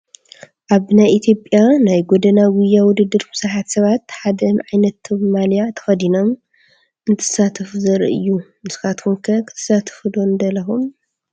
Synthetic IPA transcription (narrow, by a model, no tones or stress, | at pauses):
ʔaβnajʔit̪ʰjo̞pʼjanajɡod̪ɐnawʊjːawʊd̪ɨd̪ːɨɾfɨsaħat̪sɐβat̪ħad̪ɐnʕajnɐt̪ːɐβmalijat̪ʰɐ̥xɐd̪ino̞m | ʔɨnt̪ʰɨ̥sat̪ʰɐfuzɐɾʔɨ̰jːunɨsɨ̥xat̪kʰumkʰɐkʰɨ̥t̪ʰɐ̥sat̪ʰɐ̥fd̪ond̪ɐlɐxun